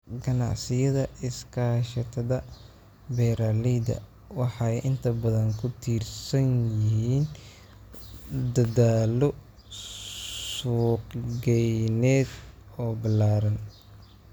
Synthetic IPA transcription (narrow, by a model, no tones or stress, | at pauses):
ɡɐnɑ̰ʕsɪjɐðɐɪskʰaːʃɐt̪ʰɐðɐ | bɛjɾalid̪ɐ̰ | wɑħɑjʔɪnt̪ʰɐbɐðɐŋkʰʊt̪ʰiːrsɐnjɪhiːn | d̪ɐðaːlɔ | suːqɡɛjnɛːd̪ | ɔːbɐlaːɾɐn